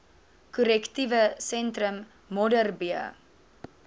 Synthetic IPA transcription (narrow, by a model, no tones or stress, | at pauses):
kuɾɛktivəsɛntrəmː | ɔdərbiə̰